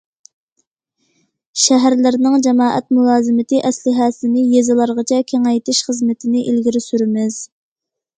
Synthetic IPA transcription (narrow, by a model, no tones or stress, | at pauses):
ʃæɦæɾlɪɾnɪŋd͡ʒɛmɑːʔɛt̪̚mulˠɑːzɨmɪt̪ɪʔɛslɪɦɛsɪnɪjezɨlˠɑɾʁɑt͡ʃʰɛkʲʰeŋɛjt̪ʰɪʃχəzmɪt̪ʰɪnɪʔilɡʲiɾɪsyɾɪmɪz̥